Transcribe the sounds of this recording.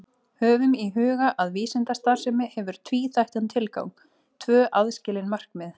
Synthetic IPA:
hœːvʏmiɦʏːɣaʔaðviːsɪnt̪ast̪aɾ̥sɛmɪhɛvʏɾ̥t̪ʰviːθajht̪ant̪ʰɪlka̰wm | t̪ʰvœːʔaðscɪlɪnmar̥kmɛð

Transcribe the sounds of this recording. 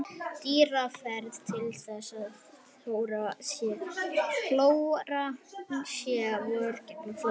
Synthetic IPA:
t̪iːɾafɛɾðt̪ʰɪlθɛsːað | oːwɾasjɛfloːwɾasjɛwœɾcɛp̪nafɔ

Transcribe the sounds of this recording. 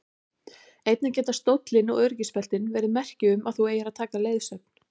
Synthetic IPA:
ejt̪nacɛːt̪ast̪owt̪lɪnɔwœɾcispɛl̥t̪ɪnvɛːɾɪðɪmɛr̥cɪʏmaðθueːjaɾaðt̪ʰaːkaleːjðsœp̚n̥

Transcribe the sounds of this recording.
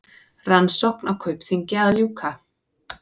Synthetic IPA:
ransɔwknawkʰœɥpθiɲcɛaðljuːkʰa

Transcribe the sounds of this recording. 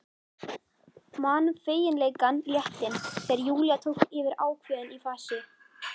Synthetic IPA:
maːnfeːjɪnleːjkanljɛht̪ɪnθɛɾjuːljat̪ʰowhkɪvɪɾaːwkʰvœːðʏnifaːsɪ

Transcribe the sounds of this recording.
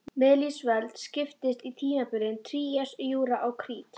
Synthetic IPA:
mɪðlisvɛlt̪scɪft̪ɪst̪it̪ʰiːnapʏɾɪnt̪ʰɾiːɛsjuːɾaʔawkʰɾiːt̪

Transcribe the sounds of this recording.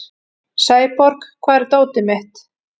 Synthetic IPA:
saːjpɔɾkkʰvaːðɾt̪oːwt̪ɪmɛht̪

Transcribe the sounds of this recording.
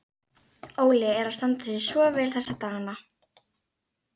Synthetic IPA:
oːwlɪɛɾast̪ant̪ʏðɪsvɔːvɛːlθɛsat̪aːnːa

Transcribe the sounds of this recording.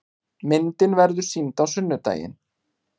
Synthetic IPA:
mɪnt̪ɪnvɛɾðʏ̥sint̪awsʏnːʏt̪a̰ːjɪ̰n

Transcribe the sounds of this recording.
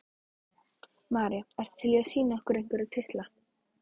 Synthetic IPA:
maːɾjaɛst̪ḁt̪ʰɪliasiːnaɔhkʏɾejŋ̥kvɪɾaðt̪ʰɪht̪la

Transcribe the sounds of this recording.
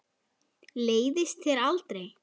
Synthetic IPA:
leːjðɪst̪θjɛɾalt̪ɾej

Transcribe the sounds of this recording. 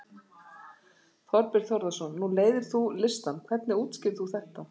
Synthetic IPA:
θɔɾpɪɾ̥θjɔɾðasɔnːuleːjðɪɾ̥θulɪst̪ankʰv̥ɛt̪nɪuːt̪scɪθuθɛht̪a

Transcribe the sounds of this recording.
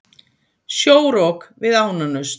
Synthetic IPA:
sjoːwɾɔkvɪðaːwnanʏs

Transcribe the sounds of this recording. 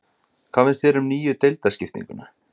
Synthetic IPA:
kʰvaːfɪnst̪vɛːɾʏmniːjʏt̪ejlt̪ascɪft̪ḭ̃ŋkʏna

